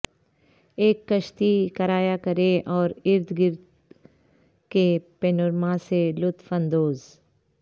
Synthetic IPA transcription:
eːkːəʃt̪ikɐɾaːjakəɾeʔɔːɾɪɾd̪ɡɪɾd̪ | kepeːnʊɾmãselʊt̪fə̃nd̪oːz

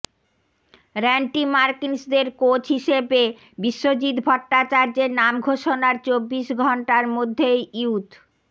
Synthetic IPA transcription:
ɾɛɳʈimaɾkinsd̪eɾkot͡ɕɦiʃebe | biʃːod͡ʑit̪bʱɔʈːat͡ɕaɾd͡ʑeɾnamɡʱoʃonaɾt͡ɕobːiʃɡʱɔɳʈaɾmod̪ʱːejiut̪

